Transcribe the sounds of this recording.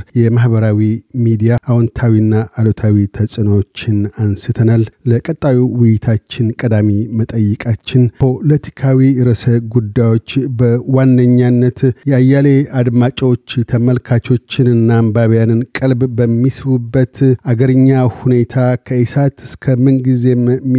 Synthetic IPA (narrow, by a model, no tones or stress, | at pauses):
jɛmahbəɾawimid̪ijaʔawɔnt̪ʰawinːaʔːlot̪ʰawit̪ʰəsʼɨnwot͡ʃːɪnansɨt̪ʰənalləkʼət̪ʼːawiwɪjɪt̪ʰat͡ʃːɪnkʼəd̪amimət̪ʼəjːɪkʼat͡ʃːɪnpʰo̞lət̪ʰi̥kʰawiɾəsəɡud̪ːajwo̞t͡ʃːbəwandəɲːanːət̪jɛajːale̞ad̪mat͡ʃʼwot͡ʃːt̪ʰəməlkʰat͡ʃo̞t͡ʃːɪnɨnːambaβjanɨnkʼəlbbəmːisɨβubːət̪aɡəɾɨɲːahune̞t̪ʰakʰəisat̪ɨskʰəmɨnɡize̞mm